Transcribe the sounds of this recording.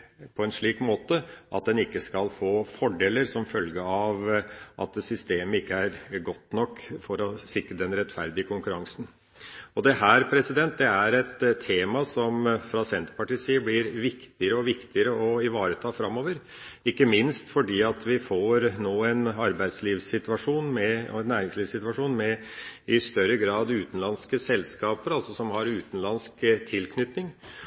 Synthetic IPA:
pʰɔɛnʂɭiːkmoːt̪əʔɑ̰t̪̚d̪ɛnɪkːəskɑlfoːfɔɖeːləɾsɔmfœlɡəɑʋʔɑ̰t̪sʏst̪eːməɪkːəæɾɡɔt̪ːnɔkːfɔɾɔsɪkɾəd̪ɛnɾɛt̪ːfæɾd̪ɪəkʰʊŋkʉɾɑŋsn̩ | ɔd̪ɛɦæɾpʰɾɛsɪd̪ɛnt̪̚d̪ɛæɾɛt̪t̪ʰːeːmɑsɔmfɾɑsɛnt̪pɑʈiːsiːəblɪɾʋɪkt̪ɪəɾəɔʋɪkt̪ɪəɾəɔɪʋɑːɾət̪ʰɑːfɾɑmːoːʋəɾ | ɪkːəmɪnst̪fɔɖiːɑt̪ʋɪfoɾnoːɛnɑɾbæɪd̪sliːʋsɪt̪ʉʋɑʂuːnmɛɛnːæːɾɪŋsliːʋsɪt̪ʉʋɑʂuːnmɛ | ɪst̪œɾəɡɾɑːd̪ʉːt̪n̩lɑnskəsɛlːskɑːpəɾɑlsɔsɔmhɑɾʉːt̪n̩lɑnskt̪ʰɪlkʰnʏt̪nɪŋ

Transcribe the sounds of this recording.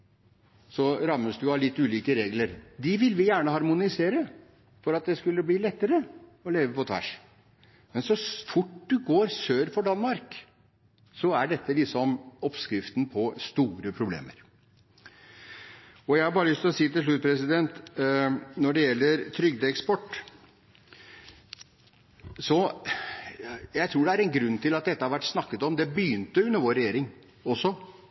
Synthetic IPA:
sɔɾɑmːəsd̪ʉɑlɪt̪ːʉːliːkəɾeːɡləɾd̪ɪʋɪlʋɪjæːɳəɦɑɾmʊnɪseːɾə | fɔɾɑt̪̚d̪ɛskʉlːəbliːlɛt̪ːəɾəɔleːʋəpɔt̪ʰʋæ̰ʂ | mɛnsɔfʊʈd̪ʉɡoːɾsøːɾfɔɖɑnmɑɾk | sɔæɖɛt̪ːəlɪksɔmɔpskɾɪft̪n̩pʰɔst̪uːɾəpʰɾʊblḛːmə̰ɾ | ɔjæɪhɑɾbɑːɾəlʏst̪ɪlɔsiːt̪ɪlʂ̬lʉt̪̚pʰɾɛsɪd̪ɛnt̪ | nɔɖɛjɛlːəɾt̪ʰɾʏɡ̚d̪əɛkspɔʈː | sɔ | jæɪt̪ʰɾuːɖɛæɾɛnɡɾʉnːt̪ʰɪlɑt̪̚d̪ɛt̪ːəhɑɾʋæʈːsnɑkːət̪ɔmd̪ɛbəjʏnt̪əjʉnːəʋoːɾɛjeːɾɪŋ | ɔsːɔ

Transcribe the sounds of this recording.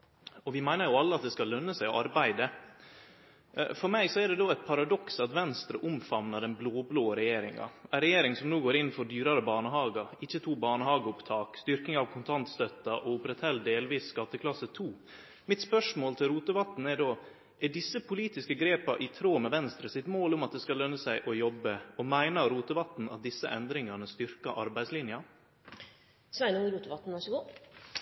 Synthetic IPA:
ɔʋɪmæɪnəɾjʊɑlːəɑt̪̚d̪ɛskɑlːœnːəsæɪɔʔɑɾbæɪd̪ə | fɔɾmæɪsɔæɖɛd̪oːɛt̪̚pʰɑɾɑd̪ɔksɑt̪ʋɛnst̪ɾəʔʊmfɑmnɑd̪ɛnbloːbloːəɾɛjeːɾɪŋɑ̰æɾɛjeːɾɪŋsɔmnuːɡoːɾɪnn̩fɔɖ̪yːɾɑɾəbɑːɳəhɑːɡəɾɪçːət̪ʰuːbɑːɳəhɑːɡəʊpt̪ʰɑːkst̪ʏɾknɪŋɑʋkʰʊnt̪ʰɑnt̪st̪œt̪ːɑʔɔʊpɾɛt̪hɛlːd̪eːlʋiːsːkɑt̪ːəkʰlɑsət̪ʰuː | mɪt̪spœʂmoːlt̪ʰɪlɾuːt̪əʋɑt̪n̩æɖoː | ʔæɖɪsːəpʰʊliːt̪ɪskəɡɾeːpɑʔɪt̪ʰɾoːmɛʋɛnst̪ɾəsɪt̪moːlʊmɑt̪̚d̪ɛskɑlœnːəsæɪʔɔjɔbːəɔmæɪnəɾuːt̪əʋɑt̪n̩ɑt̪̚d̪ɪsːə̰ʔɛnd̪ɾɪŋɑnəst̪ʏɾkɑʔɑɾbæɪslɪnjɑ | sɔænuːɾuːt̪əʋɑt̪n̩ʋæʂəɡuː

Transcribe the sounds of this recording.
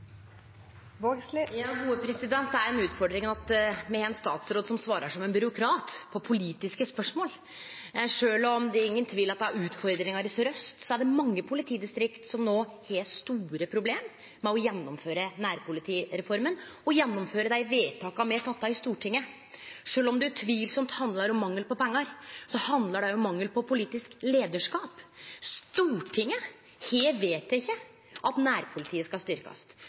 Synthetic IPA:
ʋoːɡsljɑːhuːəpʰɾɛsɪd̪ɛnt̪̚d̪ɛæɾɛnʉːt̪fɔɖɾɪŋɑt̪mɛɛnst̪ɑːt̪sɾoːd̪sɔmsʋɑːɾəʂɔmɛnbʏɾʊkʰɾɑːt̪pʰɔpʰʊliːt̪ɪskəspœʂmoːl | ʂøːlɔmd̪ɛæɾɪŋːənt̪ʰʋiːlɑt̪d̪ɛæɾʉːt̪fɔɾd̪ɾɪŋɑɾɪsɾœst̪sɔæɖɛmɑŋːəpʰʊlɪt̪ʰiːd̪ɪst̪ɾɪkt̪sɔmnoːheːlt̪st̪uːɾəpʰɾʊbleːmː | ɛɔjɛnːɔmføːɾənæːɾpʰʊlɪt̪ʰiːɾɛfɔɾmənɔjɛnːɔmføːɾəd̪æɪʋeːt̪ʰɑːkɑmɛt̪ʰɑt̪ːɑɪɪst̪uːʈʰɪŋːə | ʂøːlɔmd̪ʉæʈʰʋiːlsɔmt̪hɑnd̪lɑɾɔmːɑŋːəlpɔpɛŋːɑɾsɔhɑnd̪ləɖɛjʊɔmːɑŋːəlpʰɔpʰʊliːt̪ɪskleːd̪əʂkɑːpst̪uːʈʰɪŋːə | heːʋeːt̪ːæɪçːə | ʔɑt̪næːɾpʰʊlɪt̪ʰiːəskɑst̪ʏɾkɑ̰s

